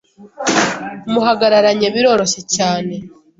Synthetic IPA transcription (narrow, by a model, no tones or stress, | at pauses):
muɦaɡaɾaɾaɲe̞βiɾo̞ːɾo̞ʃe̞caːne̞